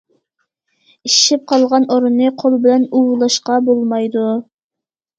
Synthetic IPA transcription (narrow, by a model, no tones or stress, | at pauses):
iʃip̚qʰɑlˠʁɑnoɾunːɨqʰolˠbɪlɛnuwlˠɑʃqɑbolˠmɑjd̪u